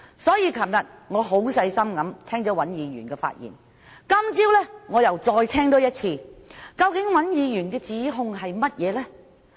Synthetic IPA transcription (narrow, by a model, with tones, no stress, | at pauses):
sɔː˨˥jiː˨˧kʰɐ˨˩mjɐ˨t̚ŋɔː˨˧ɦo˨˥wsɐ˧jsɐ˥mkɐ˨˥mt̪ʰɛː˥ŋt͡sɔː˨˥wɐ˨˥njiː˨˧ɥyː˨˩nkɛː˧fa̰ː˧t̚jḭː˨˩n | kɐ˥mt͡siː˥wlɛː˥ŋɔː˨˧jɐ˨˩wt͡sɔː˧jt̪ʰɛː˥ŋt̪o˨˥wjɐ˥t̚t͡sʰiː˧kɐ˧wkɪ˨˥ŋwɐ˨˥njiː˨˧jyː˨˩nkɛː˧t͡siː˨˥ɦʊ˧ŋɦɐ˨jmɐ˥t̚jɛː˨˧lɛ˥